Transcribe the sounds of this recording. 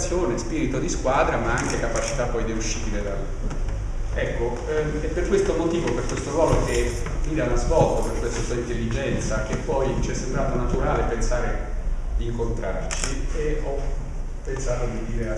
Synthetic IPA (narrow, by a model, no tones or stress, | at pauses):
sjoːnespiːɾit̪od̪iskwaːd̪ɾamaaŋk̟ekapat͡ʃi̥t̪apːɔjd̪euʃːiːbiled̪alu | ɛkːo | epːerkwest̪omot̪iːvoperkwest̪oɾwɔːlok̟e | iːdanazvɔlt̪operkwest̪asuːaint̪elːid͡ʒɛnt̪sak̟epːɔjt͡ʃiɛsːembɾaːt̪onat̪uɾaːlepensaːɾe | d̪iːŋkont̪ɾa̰rt͡ʃieɔ | pːensaːt̪od̪id̪iːɾe